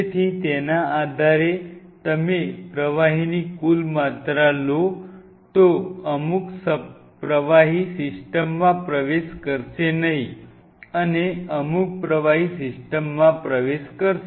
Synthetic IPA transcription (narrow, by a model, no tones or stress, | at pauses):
et̪ʰit̪enaad̪ʱaɾe | t̪əmepɾəʋaɦinikulmat̪ɾalo | t̪oəmuksə | pɾəʋaɦisɪsʈəmːãpɾəʋeʃkəɾʃenəɦi | əneəmuk̚pɾəʋaɦisɪsʈəmːãpɾəʋeʃkəɾʃ